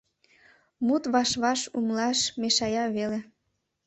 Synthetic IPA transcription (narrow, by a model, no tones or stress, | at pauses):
mut̪βɑʃβɑʃumlɑʃmeʃɑjɑβele